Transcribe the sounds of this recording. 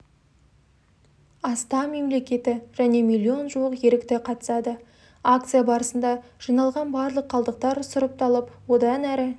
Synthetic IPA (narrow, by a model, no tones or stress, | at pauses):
ɑst̪ɑme̞mle̞kʲe̞t̪ɪʒ̥æne̞mʲilʲːio̞nʒəlˠəqje̞ɾɪk̚t̪ɪqʰɑt̪ə̥sɑd̪ə | ak̚t̪sɨjabɑɾəsənd̪ɑʒ̥ijnɑlˠʁɑnbɑɾlˠəqʰːɑlˠd̪əq̚t̪ɑɾsʊɾəp̚t̪ʰɑlˠəpwo̞d̪ɑnæɾɪ